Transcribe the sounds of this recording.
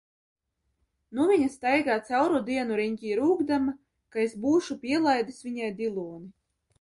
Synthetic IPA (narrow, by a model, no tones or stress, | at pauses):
nuviɲast̪ajɡaːt̪sawɾud̪iɛnuɾiɲkʲiːɾuːɡd̪ama | kaesbuːʃupʲiɛlˠajd̪ɨsvʲiɲajd̪ilˠɔːni